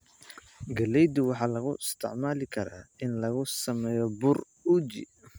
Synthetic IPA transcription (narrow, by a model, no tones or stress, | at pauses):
ɡɐlɛjd̪ʊwɑħɑːlɐɣʊʔɪst̪ʰɪ̰ʕmaːlɪkʰɐɾa̰ːɪnlɐɣʊsɐmɛːjɔbʊr | uːd͡ʒɪ̰